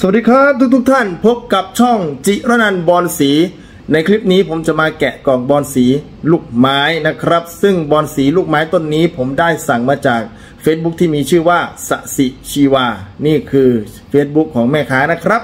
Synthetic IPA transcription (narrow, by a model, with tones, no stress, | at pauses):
so˨˩˨diː˧kʰɾaː˦˥p̚t̪ʰuː˦˥k̚t̪uː˦˥kt̪ʰa˥˩npʰo˦˥p̚ka˨˩p̚t͡ɕʰɔ˥˩ŋt͡ɕi˨˩ɾaː˦˥˩na˧nbɔː˧nsiː˩˦ | na˧jkʰli˦˥p̚niː˦˥pʰo˩˦mt͡ɕa˨˩ʔmaː˧kɛ˨˩kɔː˨˩ŋbɔː˧nsiː˩˦ | luː˥˩k̚maː˦˥jna˦˥kʰɾa˦˥p̚sɯ˥˩ŋbɔː˧nsiː˩˦luː˥˩k̚maː˦˥jt̪o˧˩nːiː˦˥pʰo˩˦mdaː˥˩jsa˨˩ŋmaː˧t͡ɕaː˨˩k̚ | feː˦˥t̪̚bu˦˥k̚t̪ʰiː˥˩miː˧t͡ɕʰɯː˥˩waː˥˩sa̰˨˧˩ʔsi˨˩t͡ɕʰiː˧waː˧niː˥˩kʰɯː˧ | feː˦˥t̪̚bu˦˥kʰːɔː˩˦ŋmɛː˥˩kʰaː˦˥na˦˥kʰɾa˦˥p̚